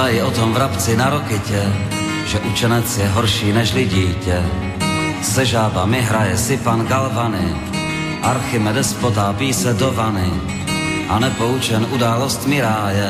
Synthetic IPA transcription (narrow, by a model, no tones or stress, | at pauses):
ajɪot̪ɔmvɾapt͡sɪnaɾokɪcɛ | ʒɛʔut͡ʃɛnɛt͡sjɛɦɔɾʃiːnɛʃlɪɟiːcɛ | sɛʒaːbamɪɦɾajɛsɪpanɡalvanɪ̰ | ʔaɾxɪmɛd̪ɛspot̪aːpiːsɛd̪ovanɪ | ʔanɛpout͡ʃɛnudaːlost̪mɪɾaːjɛ